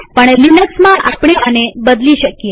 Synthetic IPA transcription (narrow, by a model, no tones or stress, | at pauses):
pəɳlinəksmãʔapɳ̃eanebəd̪liʃəkje